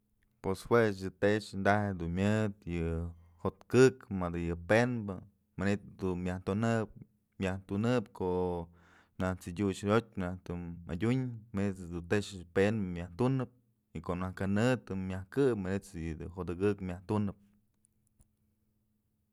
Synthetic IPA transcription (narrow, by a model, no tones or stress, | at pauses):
pweswet͡ʃjɨt̪eʔt͡ʃnd̪ahed̪unmʲjɨd̪jɨ | hot̪kɨkmad̪ɨjɨpenbɨ | manit̪d̪unmʲjaht̪unɨp̚ | mʲjaht̪unɨpkʰoʔ | naht͡sidʲut͡ʃɾʲot̪̚ʲnaht̪ua̰dʲuɲmanid̪ut̪eʔʂpenbɨmʲaht̪unɨp̚ | ikoʔnahkanɨt̪ɨmʲjahkɨpmanet͡sjɨd̪ɨɦod̪ɨɡɨkmʲjaht̪unɨp̚